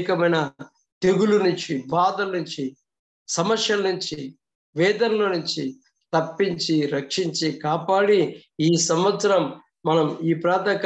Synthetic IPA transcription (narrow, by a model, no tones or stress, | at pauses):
kɐmɐjnɐ | t̪eɡulunuɲt͡ʃibaːd̪ɐlɐnuɲt͡ʃi | sɐmɐsjɐlɐnuɲt͡ʃi | ʋɛːd̪ɐnɐlɐnuɲt͡ʃi | t̪ɐpːiɲt͡ʃiɾɐkʂiɲt͡ʃikaːpaːɽiiːsɐmʋɐt̪sɐɾɐmː | ɐnɐmiːpɾaːt̪ɐk